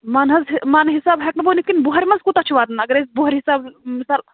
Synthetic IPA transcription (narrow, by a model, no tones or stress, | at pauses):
maːnɦɐzmaːnɦisaːbɦɐk̚nɐboːnikinbuɦɐɾʲmɐnzkut̪ɐt͡ʃʰuʋaːd̪nɐɡɐɾesbuɦɐɾʲɦisaːbmisaːl